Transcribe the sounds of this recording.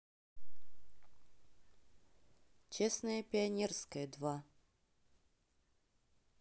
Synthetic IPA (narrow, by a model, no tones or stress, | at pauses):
t͡ɕesnəjəpʲɪɐnʲerskəjəd̪va